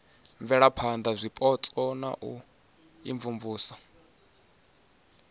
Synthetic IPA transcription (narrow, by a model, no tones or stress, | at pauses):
ɱvɛɺapʰand̪azʷipʼɔt͡sʼɔna̰ʔu | ḭɱvuɱvuːsɔ̥